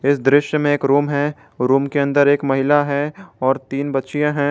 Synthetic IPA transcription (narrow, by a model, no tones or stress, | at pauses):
ɪsd̪ɾɪʃjəmẽeːkɾuːmɦɛ | ɾuːmkeɐ̃nd̪əɾeːkmɐɦɪlaɦɛɔːɾt̪iːnbɐtːʃijãɦɛ̃